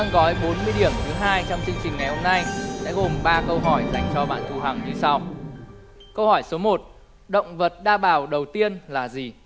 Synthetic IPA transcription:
ɗa˧ŋɣɔ˨˦jɓo˨˦nmɨ˧əjɗi˧˩əmt̪ʰɨ˨˦ɦaː˧jt͡ɕɔ˧wŋ͡mt͡ɕi˧əŋt͡ɕï˨˩ŋ̟ŋa˨˩jho˧mna˧jsɛ̰˧˥ɣo˨˩mɓaː˧kə˧wɦɔ˧˩jza˧˩jŋ̟t͡ɕɔ˧ɓa̰ː˧˩nt̪ʰu˨˧˩ɦa˨˩ŋɲɨ˧sa˧w | kə˧whɔ˧˩jso˨˦mo˨˩t̚ | ɗə̰˧˨wŋ͡mvə˨˩t̚ɗaː˧˩ɓaː˨˩wɗə˨˩wt̪i˧ənlaː˨˩zi˨˩

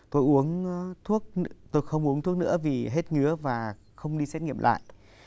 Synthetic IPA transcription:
t̪o˧jʔu˨˦ənt̪ʰu˦˥ək̚t̪o˧jxə˧wŋ͡mʔu˨˦əŋt̪ʰu˦˥ək̚nɨ̰˧˥əvi˨˩ɦe˦˥t̚ŋɨ˨˦əvaː˨˩ | xə˧wŋ͡mɗi˧sɛ˦˥t̚ŋi˧˨əmlʔa̰ː˧˨jʔ

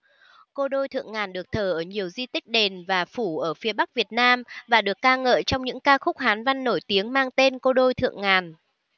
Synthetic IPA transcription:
ko˧ɗo˧jt̪ʰɨ̰˧˨əŋːaː˨˩nɗɨ˨˩ək̚t̪ʰəː˧˩ʔəː˧˩ɲi˨˩əwzi˧t̪ï˦˥k̟̚ɗe˨˩nvaː˨˩fu˧˩ʔəː˧˩fi˨˦əɓa˦˥k̚vi˨˩ət̚naː˧mvaː˨˩ɗɨ˨˩əkːaː˧ŋə̰ː˧˨jt͡ɕɔ˧wŋ͡mɲɨ̰˧˥ŋkaː˧xʊ˦˥k͡p̚haː˨˦nva˧nːo˧˩jt̪i˨˦əŋmaː˧ŋt̪e˧nko˧ɗo˧jt̪ʰɨ̰˧˨əŋŋaː˨˩n

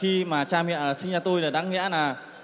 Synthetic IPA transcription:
xi˧maː˨˩t͡ɕaː˧mḭ˧˨nlaː˨˩sï˧ŋt͡ɕaː˧t̪o˧jle˨˩ɗa̰ː˨˦ŋḭ˧˥ənaː˨˩

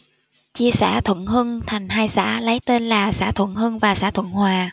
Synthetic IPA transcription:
t͡ɕi˧əsɛ̰ː˧˩t̪ʰwə̰˧˨nhɨ˧nt̪ʰa˨˩jŋ̟ɦaː˧jsa̰ː˧˥˩lə˨˦jt̪e˧nlaː˨˩sa̰ː˧˥t̪ʰwə̰˧˨nhɨ˧nvaː˨˩sa̰ː˧˥˩t̪ʰwə˧˨nhwaː˨˩

